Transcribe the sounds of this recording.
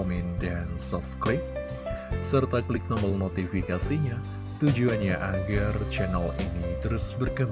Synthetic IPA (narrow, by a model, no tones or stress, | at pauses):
mindansɔsklɪk̚ | sərt̪aklɪk̚nɔməlnot̪ifikasiɲa | t̪ud͡ʒuanɲaʔaɡart͡ʃɛnəlinit̪əɾʊsbərɡam